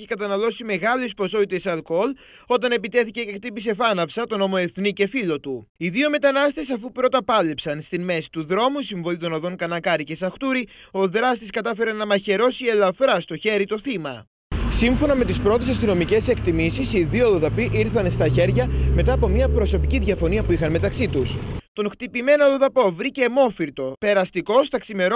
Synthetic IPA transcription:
çe̥kɐt̪ɐnɐlo̞sime̞ɣɐlespo̞so̞it̪e̞sɐlko̞l | o̞t̪ɐne̞pit̪e̞θice̞cek̚t̪ipise̞fɐnɐfsɐt̪o̞no̞mo̞e̞θnice̞filo̞t̪uiðio̞me̞t̪ɐnɐst̪e̞sɐfupɾo̞t̪ɐpɐle̞psɐnst̪inme̞si̥t̪uðɾo̞musiɱvo̞it̪o̞noðo̞ŋkɐnɐkɐɾice̞sɐxt̪uɾio̞ðɾɐst̪iskɐt̪ɐfe̞ɾenɐmɐçe̞ɾo̞sie̞lɐfɾɐst̪o̞çe̞ɾit̪o̞θimɐ̰ | siɱfo̞nɐme̞t̪ispɾo̞t̪e̞sɐst̪ino̞mice̞se̞kt̪imisisiðioðoðɐpiʔiɾθɐnst̪ɐçe̞ɾʝɐme̞t̪ɐːpo̞mɲɐpɾo̞so̞piciðʝɐfo̞niɐpuixɐnme̞t̪ɐksit̪ust̪o̞ŋxt̪ipime̞noðoðɐpo̞vɾicemo̞fiɾt̪o̞pe̞ɾɐst̪iko̞st̪ɐksime̞ɾ

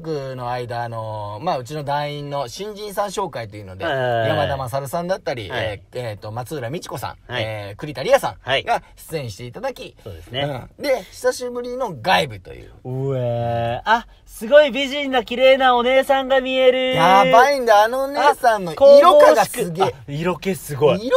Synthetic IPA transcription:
kɯ̟no̞aid̪aːno̞maɯ̟t͡ɕino̞d̪ãĩnːo̞ɕĩɲ̟d͡ʑĩɰ̃sãɕo̞ːkait̪o̞jɯ̟no̞d̪ejamad̪amas̬aɾɯ̟sãnd̪at̪ːaɾʲḭet̪ːo̞mat͡sɨːɾamʲit͡ɕi̥ko̞sã̰ŋekɯ̟ɾʲit̪aɾʲiasã̰ŋaɡaɕi̥t͡sɨẽɕi̥t̪e̞it̪ad̪akʲioːdesneɯ̃d̪e̞çi̥saɕibɯ̟ɾʲino̞ɡaibɯ̟t̪o̞̰jɯ̟̰ːea | sɨɡo̞ibʲiʑĩnːakʲiɾe̞ːnao̞ne̞ːsãŋɡamʲie̞ɾɯ̟abaĩnd̪aːnoːnesãnːokoiɾokaɡasɨɡeiɾokesɨɡo

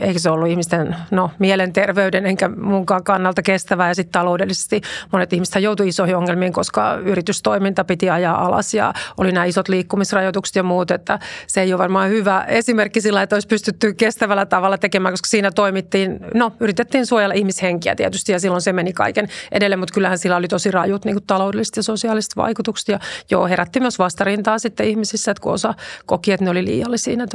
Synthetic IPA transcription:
eikæseolːuihmist̪ennomiɛlent̪erʋeydeneŋkæmuŋkɑːŋkɑnːɑlt̪ɑkest̪æʋæːjɑsit̪t̪ɑloudelːise̥st̪imonet̪ihmise̥t̪hæjout̪uisohioŋːelmiːŋkoskɑ̰yrit̪yst̪oimint̪ɑpit̪iɑjɑːʔɑlɑ̰sjɑ̰olinæːisot̪liːkːumisrɑjot̪ukse̥t̪jɑmuːt̪et̪ːæseeijoʋɑrmɑːhyʋæesimerkːisilːɑet̪ːoispyst̪yt̪ːykest̪æʋælːæt̪ɑʋɑlːˑɑt̪ekemæːŋkoskɑ̥siːnæt̪oimit̪ːiːnnoyrit̪et̪ːiːnsuojɑlːɑʔihmisheŋkiæ̰t̪iæt̪yst̪ijɑsilːonsemenikɑ̰ikenʔḛdelːemut̪kylːæhænsilːæolit̪osirɑjut̪niːŋkut̪t̪ɑloudelːˑist̪jɑsosiɑlist̪ʋɑ̰ikut̪ukse̥t̪jɑjo̰ːheɾæt̪ːimyøsʋɑst̪ɑrint̪ɑːsit̪ːeihmisisːæet̪kuo̰sɑkokiet̪neolilḭːjɑlːisḭːnæet̪

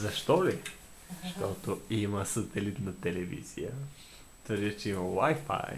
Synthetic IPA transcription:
zɐʃt̪ɔli | ʃt̪ɔt̪oiməsɐt̪ɛlit̪nɐt̪ɛlɛvḭz̥ḭjə | t̪vəɾd̪ʲit͡ʃɛimɐwajfa̰j

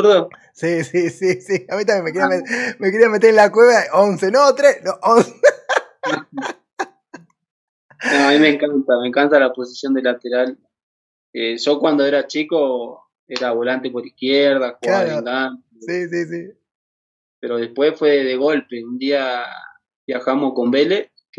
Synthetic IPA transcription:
uɾðo | sisisisiawit̪̬amekeɾiaamemekeɾiamet̪̬eɾelakweβaonsenot̪ɾesnoʔonse | noamimeŋkant̪ameŋkant̪alaposisjo̞nd̪elat̪eɾal | eʒo̞kwand̪oeɾat͡ʃiko | eɾaβolant̪epoɾihkjeɾð̞axwuɣlaaeŋɡanesisis̬i | peɾo̞ð̞e̞spwe̞sfweðeɣo̞lpe̞und̪ia | βjaxamosko̞mbeles

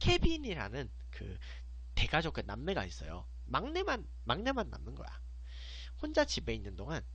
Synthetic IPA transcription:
kʰe̞biniɾa̰nɯn | kɯ̰ | te̞ɡad͡ʑok͈ɯnamːe̞ɡa̰is͈ʌ̰jo̰ | maŋne̞man | maŋne̞manːa̰mnɯnɡʌ̰ja̰ | hond͡ʑat͡ɕibe̞inːɯndoŋan

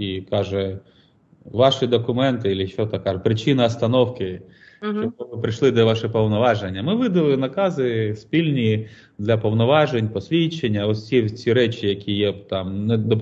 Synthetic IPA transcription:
ikɑʒɛ | ʋɑʃɪd̪ɔkʊmɛnt̪ɪilʲɪʃt͡ʃɔt̪ɐkːɑʒɛpɾɪt͡ʃɪnɐɐst̪ɐnɔwkɪ | ɔbɔɪpɾɪʃlˠɪd̪ɐʋɑʃɪpɔwnɔʋɑʒenʲːɐmɪʋɪd̪ɐlˠɪnɐkɑzɪspʲilʲnʲi | d̪lʲɐpɔwnɔʋɑʒenʲpɔsʲʋʲit͡ʃːenʲːɐɔsʲt͡sʲit͡sʲiɾɛt͡ʃʲijɐkʲʰijɛbt̪ɑmnɛd̪ɔ

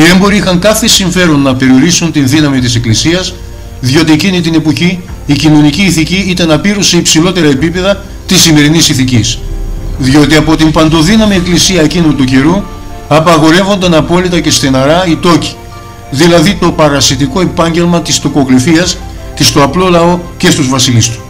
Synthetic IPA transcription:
ie̞mbo̞ɾiixɐŋkɐθe̞siɱfe̞ɾo̞nːɐpe̞ɾio̞ɾisunt̪inðinɐmit̪ise̞klisiɐs | ðjo̞t̪ie̞cinit̪ine̞po̞çiː | cino̞niciːθiciit̪enɐpiɾuse̞ipsilo̞t̪e̞ɾɐe̞pipe̞ðɐ | t̪isime̞ɾinisiθicisðjo̞t̪iɐpo̞t̪impɐnd̪o̞ðinɐmieklisiɐe̞cinut̪uce̞ɾu | ɐpɐɣo̞ɾe̞vo̞nd̪ɐnɐpo̞lit̪ɐce̞st̪enɐɾɐit̪o̞ci̥ | ðilɐðit̪o̞pɐɾɐsit̪iko̞e̞pɐɲɟe̞lmɐt̪ist̪okoɣɾifiɐsce̞st̪o̞ɐplo̞lɐo̞ce̞st̪uzvɐsilist̪u̥

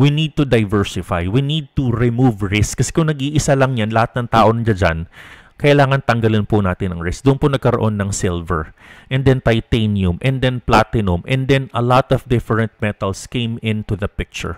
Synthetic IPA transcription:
winid̪̚t̪ud̪ɐjvɛɹsɪfa̰jwinid̪̚t̪uɹɪmuvɹɪskkːɐsɛ̥kʊŋnɐɡʔiːʔɪsalɐŋɲanlɐhat̪̚nɐŋt̪aːʔonɐd͡ʒad͡ʒa̰n | kɐʔɪlaːŋɐnt̪ɐŋɡɐlɪnpʊnaːt̪ɪnɐŋɹɪsk̚d̪ʊʔʊnponɐɡ̚kɐɾoʔonːɐŋsɪlvɛ̰ɹʔɛnd̪ɛnt̪ɐjt̪enjʊmʔɛ̃nd̪ɛnplat̪ɪnʊmʔɛ̃nd̪ɛnɐlɔt̪ɔfd̪ɪfɛɹɛnt̪̚mɛt̪ɐlskẽjmɪ̃nt̪uðɐpɪk̚t͡ʃʊ̰ɹ

